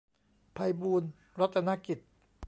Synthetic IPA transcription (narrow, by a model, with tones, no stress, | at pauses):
pʰa˧jbuː˧n | ɾa˦˥t̪̚ːa˧na˦˥ki˨˩t̪̚